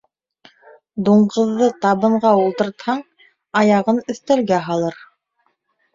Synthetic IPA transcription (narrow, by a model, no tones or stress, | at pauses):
d̪uɴɢɤ̆ðːɤt̪ɑβɤ̆ɴʁɑulˠt̪ɤ̆ɾt̪hɑɴ | ɑjɑʁɤnɵ̆θt̪ælɡæɦɑlˠɤɾ